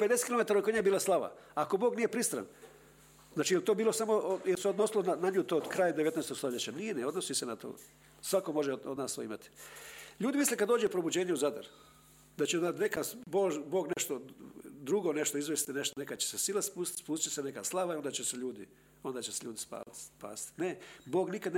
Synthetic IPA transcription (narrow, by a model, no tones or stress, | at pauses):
pe̞d̪esekilome̞t̪aɾokoɲaebiːlˠaslˠaʋa̰ako̞boːɡnijepɾist̪ɾa̰n | znaːt͡ʃijelt̪oːbiːlosamojeseod̪no̞silonanaɲuːt̪oːd̪kɾaːjad̪eʋe̞t̪neːst̪oɡst̪oʎet͡ɕanijeneo̞d̪nosisenat̪o̰ | sʋako̞mo̞ʒeod̪naːst̪o̰ḭma̰t̪i̥ʎuːd̪imislekad̪o̞ːd͡ʒepɾo̞bud͡ʑe̞ːɲeuzad̪a̰ɾ | d̪at͡ɕenat̪nekasboːʒbo̞ːɡne̞ʃt̪od̪ɾuɡo̞ne̞ʃt̪oizʋest̪ineʃt̪one̞kat͡ɕesesilaspusspuːst̪t͡ʃesenekaslˠaʋaiond̪at͡ɕese̞ʎuːd̪i | o̞nd̪aːt͡ɕeseʎuːd̪ispa̰ːt̪pa̰ːsi̥t̪ineboːɡnikad̪n